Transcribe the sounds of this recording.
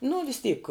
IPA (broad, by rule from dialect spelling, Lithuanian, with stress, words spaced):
nʊ ʋʲɪs ˈtʲiːk